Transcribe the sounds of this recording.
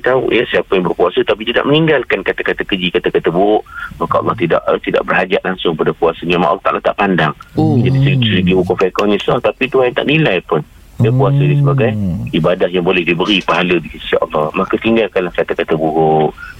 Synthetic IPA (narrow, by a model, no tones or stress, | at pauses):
t̪aṵjasiapajaŋbərpuasət̪apit̪ida̰ʔ̚məniŋɡalkankat̪akat̪akəd͡ʒikat̪akat̪abuɾʊʔmakaʔɑ̰lːɑht̪ida̰ʔt̪ida̰ʔbərhad͡ʒaʔlaŋsʊŋkəpadakuasəɲama̰ʔlːɑht̪a̰ʔalaht̪a̰ʔpandaŋd͡ʒadisəlit̪usəlidiukofekɔɲãsənat̪apit̪uajnt̪aʔnilajpʊn | jəpuasədis̬əbaɡajibadahjaŋbolɛhdibəɾipaɦaləbikəssaʔɑ̰lːɑhmakat̪iŋɡalkanlahkat̪akat̪abuɾʊʔ